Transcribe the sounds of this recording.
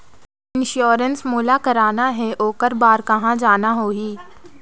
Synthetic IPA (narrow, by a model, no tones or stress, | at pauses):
ɪ̃nʃoːɾənsmuːlakɐɾaːnaɦɛʔoːkəɾbaːɾkɐɦãd͡ʒaːnaɦoːɦiː